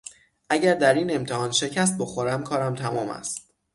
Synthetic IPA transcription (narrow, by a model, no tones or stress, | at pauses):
ʔæɟæɾd̪æɾiːne̞mt̪ʰehɒːnʃe̞cʰæs̬t̪̚boxoɾæmkʰɒːɾæmt̪ʰæmɒːmæ̰st̪t̪